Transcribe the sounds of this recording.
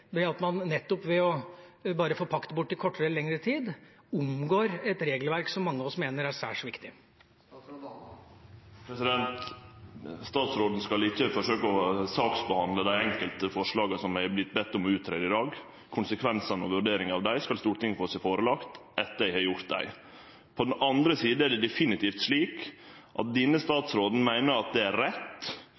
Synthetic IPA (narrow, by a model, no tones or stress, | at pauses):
d̪ɛɑt̪mɑnːɛt̪ːɔpʋɛɔbɑːɾəfoːpʰɑkt̪əbʊʈːɪkʰɔʈːəɾəlɛŋɾət̪ʰiːd̪ | ʊmɡoːɾɛt̪ɾeːɡlʋæɾksɔmːɑŋːəɑʋɔsmeːnəɾæʂæːʂʋɪkt̪ɪ | pʰɾɛsɪd̪ɛnt̪ | st̪ɑːt̪sɾoːd̪n̩skɑlɪçːəfɔʂøːkəɔsɑːksbəhɑnd̪ləd̪æɪɛŋkəlt̪əfɔʂɭɑːɡəsɔmæɪblɪt̪bɛt̪ːɔmɔʉːt̪ʰːɾeːd̪ɪd̪ɑːɡ | kʰʊnsəkʰʋɛnsɑnɔ̰ʋʉɾɖeːɾɪŋɑʋd̪æɪskɑlst̪uːɾt̪ɪŋːfɔɾsɛfoːɾəlɑkt̪ɛt̪ːəæɪhɑːɾjʊɾt̪̚d̪æ̰ɪ | pʰɔd̪ɛnɑnd̪ɾəsiːd̪̩æɖɛd̪ɛfɪnɪt̪ʰiːft̪ʂɭiːk | ʔɑ̰t̪̚d̪ɪnːəst̪ɑːt̪sɾoːd̪n̩mæɪnəɾɑt̪̚d̪ɛæɾɾɛt̪ː